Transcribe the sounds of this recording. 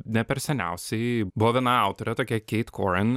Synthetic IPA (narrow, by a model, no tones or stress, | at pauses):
nʲɛpʲɛɾsʲɛnʲæ̰ʊsʲɛɪbʊʋɔʋʲiɛnɑɑʊt̪oːɾʲɛt̪oːkʲɛkʲɛɪt̪kʰoːɾʲɛn